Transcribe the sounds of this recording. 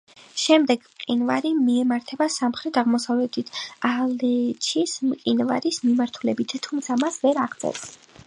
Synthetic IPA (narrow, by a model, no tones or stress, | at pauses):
ʃɛmd̪ɛɡ̥mqʼinvaɾimiɛmaɾt̪ʰɛbasamχɾɛt̪ʰaʁmɔsavlɛt̪ʰit̪ʰalɛt͡ʃʰismqʼinva̰ɾismimaɾt̪ʰulɛbit̪ʰːumt̪sʰamasvɛɾaʁd̪sʼɛ̰s